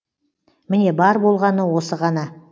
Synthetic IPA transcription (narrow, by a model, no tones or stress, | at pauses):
mɪne̞bɑɾbo̞lˠʁɑnəwo̞səʁɑnɑ